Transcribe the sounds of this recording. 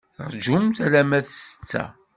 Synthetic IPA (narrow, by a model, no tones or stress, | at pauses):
ɾˤd͡ʒʊmθɾæmæθsə̥t͡sːæ̰